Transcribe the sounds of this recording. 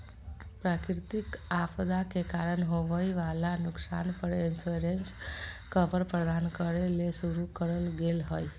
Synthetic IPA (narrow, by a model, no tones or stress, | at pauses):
pɾakɾt̪ikapd̪akekaɾəɳɦoʋəiʋalanʊksa̰npəɾinsuɾenskəʋəɾpɾəd̪ankəɾelesuɾukəɾəlɡelɦəj